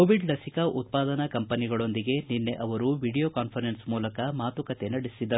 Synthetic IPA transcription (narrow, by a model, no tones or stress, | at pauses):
koːʋiɖlɐsikɐʔut̪̚paːd̪ɐnɐkɐmpɐniɡɐɭo̞nd̪iɡe̞ninːe̞ʔɐʋɐɾuʋiːɽijoːkaːnpʰɐɾensmuːlɐkɐmaːt̪ukɐt̪e̞nɐɽisid̪ːɐɾu